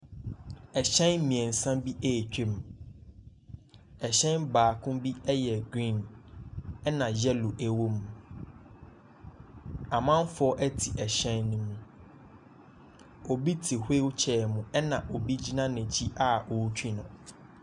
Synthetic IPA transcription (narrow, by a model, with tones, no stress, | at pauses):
ɛ˨ɕɛ̃˦n˦mĩ˨ɛ̃˨n̩˨sã˦bi˦ʔe˦˨t͡ɕᶣe˦m | ɛ˨ɕɛ̃˦nbaː˨kʰʊ̃˦bi˦ɛ˦jɛ˨ɡɾĩ˦˨n | ɛ˦nã˨jɛ˦lu˨ʔæ˨wo˦m˨ | ã˨mã˦m˦fʊ˦ɔ˦ʔɛ˦tʰi˨ʔɛ˨ɕɛ̃˦nːʊ̃˦mũ˦ | o˨bi˦tʰi˨he˦wt͡ɕʰɛ˨mʊ̃˨ɛ˦nã˨ʔo˨bi˦d͡ʑi˦nã˦nɛ̃˨t͡ɕʰi˦ʔa˦ʔo˨˦t͡ɕʰᶣi˦nʊ̰̃˨